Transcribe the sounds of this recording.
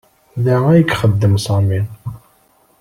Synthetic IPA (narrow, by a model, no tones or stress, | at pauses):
ðəʁæjəkχəd̪ːəmsˤɑmin